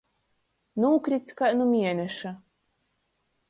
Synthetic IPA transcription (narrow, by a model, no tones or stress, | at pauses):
nuːkɾʲit̪skanumʲiɛnʲɛʃa